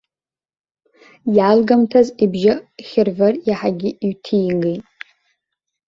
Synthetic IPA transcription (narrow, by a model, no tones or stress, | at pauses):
jalɡamtʰazibʒaχʲɪrvarjaħaɡʲɪɥtʰijɡejtʼ